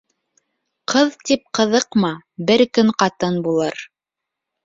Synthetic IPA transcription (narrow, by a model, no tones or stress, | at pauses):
qʰɤðt̪ip̚qɤ̆ðɤqmɑbɘɾkɵɴqɑt̪ɤnbulˠɤɾ